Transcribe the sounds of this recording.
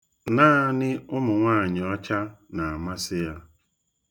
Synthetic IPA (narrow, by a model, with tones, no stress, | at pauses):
naː˦˨nɪ˦ʊ˦mʊ˨ŋʷaː˦˨ɲɪ˨ɔ˦t͡ʃa˦na˨a˨ma˦sɪ˦ja˦